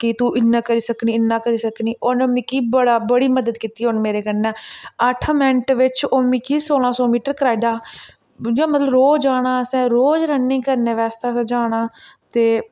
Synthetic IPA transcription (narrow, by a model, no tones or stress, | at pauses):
kɪt̪uːʔɪnːãːkəɾiːsəkniːɪnːãːkəɾiːsəkniːʔoːnõmɪkiːbəɽaːbəɽiːməd̪əd̪kiːt̪iːɦonmeːɾeːkənɛ̃ːəʈʰmɛ̃ɳʈʋɪt͡ʃoːmikiːsoːlãːsɔːmiːʈəɾkɾaːɪɖaː | d͡ʒãːmət̪ləbɾoːd͡ʒaːɽ̃ãːəsɛ̃ːɾoːd͡ʒɾənːɪ̃ːkəɾnẽːʋɛːst̪aːsːd͡ʒaːɽ̃ãːt̪eː